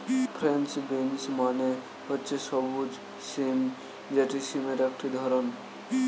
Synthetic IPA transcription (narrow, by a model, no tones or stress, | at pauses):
pʰɾensbensmane | ɔtːt͡ʃesɔbud͡ʒ | sim | d͡ʒeʈisimeɾekʈʰid̪ʱɔɾɔn